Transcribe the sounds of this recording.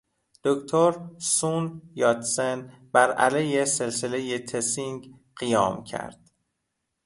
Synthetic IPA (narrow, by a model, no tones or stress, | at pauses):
d̪̥okt̪ʰoɾsunjɒt̪senbæɾæ̰lejese̞lselejet̪ʰesiŋɡ | ɢijɒːmcʰæ̰ɾd̪̥